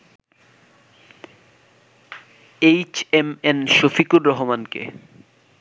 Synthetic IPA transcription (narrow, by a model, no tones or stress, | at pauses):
ejt͡ɕemenʃofikuɾːɔɦomankḛ